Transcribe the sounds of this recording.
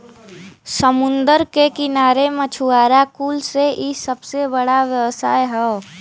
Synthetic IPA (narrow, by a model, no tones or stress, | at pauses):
səmʊ̃nd̪əɾkekɪnaːɾemət͡ʃʰuaːɾakuːlseʔisəbsebəɽaʋjəʋsa̰ːeɦɛo